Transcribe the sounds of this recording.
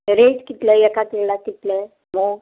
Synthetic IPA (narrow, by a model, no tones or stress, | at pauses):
ɾed͡ʑkit̪lejɛkat̪iɽakit̪le | mo